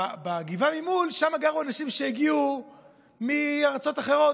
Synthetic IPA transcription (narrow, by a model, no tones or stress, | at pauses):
baɡivamimulʃamaɡaʁuanaʃimʃeeɡiu | miaʁt͡so̞t̪aχe̞ʁo̞